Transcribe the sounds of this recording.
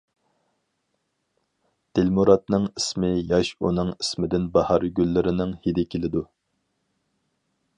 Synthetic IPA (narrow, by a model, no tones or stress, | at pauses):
d̪̥ɪlmuɾɑt̪̚nɨŋismɪjɑʃṵnɨŋismɪd̪ɪnbɑhɑɾɡʲylːɪɾɪnɪŋhid̪ɪkʲʰelɪd̪u